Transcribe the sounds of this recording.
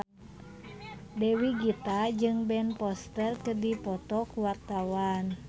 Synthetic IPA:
dɛwiɡit̪ad͡ʒɨŋbɛnpɔst̪ərkədipɔt̪ɔkuwart̪awan

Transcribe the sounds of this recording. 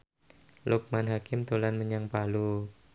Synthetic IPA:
luk̚manɦakɪmt̪ulanməɲaŋpalu

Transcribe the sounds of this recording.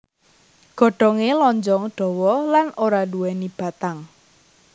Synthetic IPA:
ɡ̥ɔ̤ɖ̥ɔŋelɔɲd͡ʒɔŋɖ̥ɔ̤wɔlanoɾaluwɛnib̥a̤t̪aŋ

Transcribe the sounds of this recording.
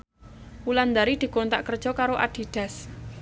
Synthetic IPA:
uland̪aɾid̪̥i̤kont̪aʔkər̥ʒ̥ɔ̤kaɾoʔa̰d̪̥i̤d̪̥a̤s

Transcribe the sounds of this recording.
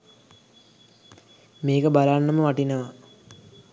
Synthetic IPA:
meːkəbalaɳːəməʋaʈinəʋa

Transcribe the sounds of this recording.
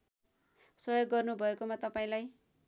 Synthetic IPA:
sʌjoɡːʌrnubʱʌekomat̪ʌpaĩlaj

